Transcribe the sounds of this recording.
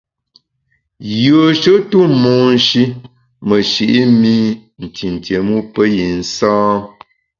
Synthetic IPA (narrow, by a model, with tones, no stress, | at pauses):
jə˨ʃə˦tu˦mɔ˨n˨˦ʃi˦ | mə˨ʃi˨ʔi˦mi˦n̩˨tʰi˨n̩˨tje˨mu˦pə˦ji˨n̩˦sãː˦